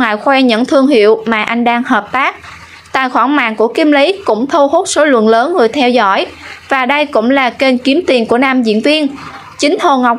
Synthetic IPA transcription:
ŋa̰ː˧˨jxwɛ˧ɲə̰˧˥nt̪ʰɨ˧əŋɦḭ˧˨əwmaː˨˩ʔa˧jŋ̟ɗaː˧ŋhəː˨˩p̚t̪aː˦˥k̚ | t̪a̰ː˧˨jxwaː˧˩ŋma̰ː˧˨ŋku˧˩əki˨˧mli˨˦kʊ̰˧˥ŋ͡mt̪ʰu˧ho˦˥t̚so˨˦lwə̰˧˨nləː˨˦nŋɨ˨˩əjt̪ʰɛ˧wzɔ̰˧˥˩jvaː˨˩ɗə˧jkʊ̰˧˥ŋ͡mlaː˨˩ke˧nki˨˦əmt̪i˨˩nku˧˩ənaː˧mzḭ˧˨ənvi˧ən | t͡ɕï˨˦ŋ̟h̪o˨˩ŋa˨˩wk͡p̚

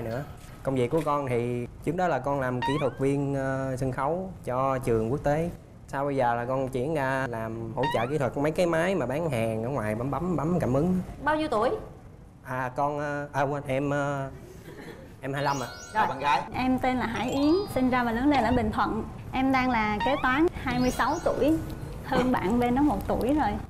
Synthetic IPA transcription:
jnɨ̰˧˥ə | kə˧wŋ͡mvḭ˨˩kːu˧˩əkɔ˧nt̪ʰi˨˩t͡ɕɨ˦˥ŋɗɔ˨˦laː˨˩kɔ˧nlaː˨˩mki˨˧˦t̪ʰwə˨˩t̚vi˧ənː˧sə˧ŋxə˨˦wt͡ɕɔ˧t͡ɕɨ˨˩əŋku˦˥ək̚t̪e˨˦ | saː˧wɓə˧jzəː˨˩laː˨˩kɔ˧nt͡ɕḭ˧˥ənzaː˧laː˨˩mho̰˧˥˦t͡ɕə̰ː˧˨˩ki˨˦t̪ʰwə˨˩k̚mə˨˦jkaː˨˦jmaː˨˦jmaː˨˩ɓaː˨˦ŋɦaː˨˩ŋʔəː˧˦ŋwaː˨˩jɓa˨˦mɓa˨˦mɓa˨˦mkaː˧˩mʔɨ˨˦ŋɓaː˧wzi˧˦t̪u˧˩əj | ʔaː˨˩kɔ˧nʔːʔəː˧wnʔɛ˧mʔəː˧ | ʔɛ˧mhaː˧jla˧mʔa̰ː˧˨zo˧˨˩a˨˩ŋa˧˨jʔɛ˧mt̪e˧nlaː˨˩ɦa̰ː˧˩˦jʔi˨˦əŋsï˧ŋ̟zaː˧vaː˨˩ləː˨˦ŋle˧nʔəː˧˩ɓï˨˩ŋ̟t̪ʰwə̰˧˨nʔɛ˧mɗaː˧ŋlaː˨˩ke˨˦˥t̪waː˨˦nhaː˧jmɨ˧jsa˨˦wt̪u˧˩˨əj | həː˧ŋɓa̰ː˧˨nve˧nːɔ˨˦mo˨˩t̚t̪u˧˩əjzo˨˩j

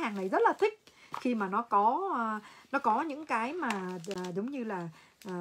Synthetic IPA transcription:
haː˨˩ŋna˨˩jzə˦˥t̚laː˨˩t̪ʰï˦˥k̟̚xi˧maː˨˩nɔ˨˦kɔ˨˦˧ | nɔ˨˦kɔ˨˦ɲɨ̰˧˥ŋkaː˨˦jmaː˨˩˨ɗʊ˨˦wŋ͡mɲɨ˧laː˨˩ | ʔː

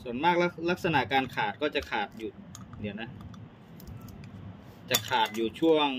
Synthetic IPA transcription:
su˨˩ənmaː˥˩k̚la˦˥la˦˥k̚sa˧na˨˩ʔkaː˧nkʰaː˨˩t̪̚kɔː˥˩t͡ɕa˨˩kʰaː˨˩t̪̚juː˨˩d̪i˧˩na˦˥ | t͡ɕa˨˩kʰaː˨˩t̪̚juː˨˩t͡ɕʰu˥˩əŋ

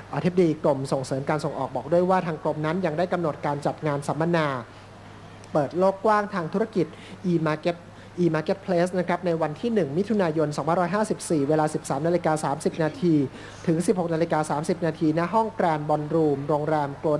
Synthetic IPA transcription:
ʔa˧t̪ʰi˦˥b̚a˧diː˧klo˨˩mso˨˩ŋsɤː˩˦mkaː˧nso˨˩ŋʔɔː˨˩k̚bɔː˨˩k̚du˥˩əjwaː˥˩t̪ʰaː˧ŋklo˧mna˦˥nja˧ŋdaː˥˩jka˧mno˨˩t̪̚kaː˧nt͡ɕa˨˩t̪̚ŋaː˧nsa˩˦mːa˧naː˧ | pɤː˨˩t̪̚loː˥˩kːwaː˥˩ŋt̪ʰaː˧ŋt̪ʰu˦˥ɾa˧ki˨˩t̪̚ʔːm˧˦˥t̪̚ | ʔiː˧maː˧ke˦˥t̪̚pʰleː˦˥sna˦˥kʰɾa˦˥p̚na˧jwa˧nt̪ʰiː˥˩nɯ˨˩ŋmi˦˥t̪ʰu˧naː˧jo˧nsɔ˨˩˦pʰa˧˨nɾɔː˦˥jɦaː˥˩si˨˩p̚siː˨˩weː˧laː˧si˨˩p̚saː˩˦mna˧li˧kaː˧saː˩˦msi˨˩p̚naː˧t̪ʰiː˧ | t̪ʰɯ˩˦ŋsi˨˩p̚ho˨˩na˧li˧kaː˧saː˩˦msi˨˩p̚naː˧t̪ʰiː˧na˦˥ɦɔ˥˩ŋkɾaː˧nbɔː˧nɾuː˧mɾoː˧ŋɾɛː˧mkloː˧

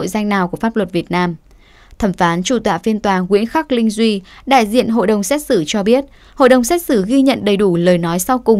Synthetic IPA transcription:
o̰˧˨jza˧jŋ̟naː˨˩wku˧˩əfaː˦˥p̚lwə˨˩t̚vi˨˩ət̚naː˧m | t̪ʰə˧˩mfaː˨˦nt͡ɕu˧˩t̪wa̰ː˧˨fi˧ənt̪waː˨˩ŋwḭ˧˥ənxa˦˥k̚lï˧ŋ̟zwi˧ɗa̰ː˧˨jzḭ˧˨ənɦo̰˧˨jɗə˨˩wŋ͡msɛ˦˥t̚sɨ˧˩t͡ɕɔ˧ɓi˦˥ət̚ | ho̰˧˨jɗə˨˩wŋ͡msɛ˦˥t̚sɨ˧˩ɣi˧ɲə̰˧˨nɗə˨˩jɗu˧˩ləː˨˩jnɔ˨˦jsa˧wkʊ˨˩ŋ͡m

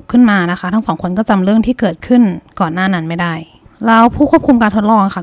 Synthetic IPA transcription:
p̚kʰɯ˥˩nmaː˧na˦˥kʰa˦˥t̪ʰa˦˥ŋsɔː˩˦ŋkʰo˧nkɔː˥˩t͡ɕa˧mɾɯ˥˩əŋt̪ʰiː˥˩kɤː˨˩t̪̚kʰɯ˥˩nkɔː˨˩nːaː˥˩na˦˥nma˥˩jda˥˩j | ɾa˧wpʰuː˥˩ku˥˩kʰu˧mkaː˧nt̪ʰo˦˥t̪lɔː˥˩ŋkʰa˥˩

